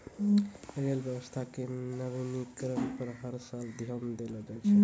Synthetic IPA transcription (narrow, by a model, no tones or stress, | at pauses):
əɾəlbjəbəst̪ʰakenəɾinikɾənpəɾɦəɾsald̪ʱijəmd̪eləd͡ʒajt͡ʃʰɛ